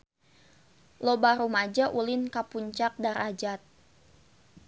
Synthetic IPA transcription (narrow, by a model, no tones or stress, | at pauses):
lobaɾumad͡ʒaʔulɪnkapuɲt͡ʃak̚daɾad͡ʒat̪̚